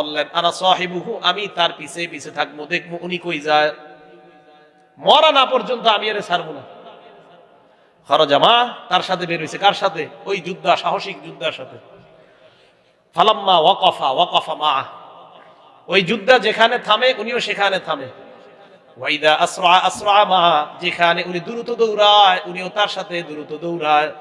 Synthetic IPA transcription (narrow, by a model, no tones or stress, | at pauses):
bolːenanasɔːħibuɦuʔamit̪aɾpisʰepisʰet̪ʰak̚bod̪ek̚ʰboʔunikojd͡ʑae | mɔɾanapɔɾd͡ʑont̪oamiaɾesaɾbon | kʰɔɾod͡ʑamat̪aɾʃat̪ʰebeɾojsʰekaɾʃat̪ʰeojd͡ʑud̪ʱːaʃaɦoʃik̚d͡ʑud̪ːaɾʃat̪ʰe | falɐmːawaqɔfawaqɔfamaʕa | ojd͡ʑud̪ʱːad͡ʑekʰanet̪ʰameʔunioʃekʰanet̪ʰame | waid̪aʔasɾaʕaʔasɾaʕamad͡ʑekʰaneunid̪uɾut̪od̪owɾaeuniot̪aɾʃat̪ʰed̪uɾut̪ːod̪owɾaj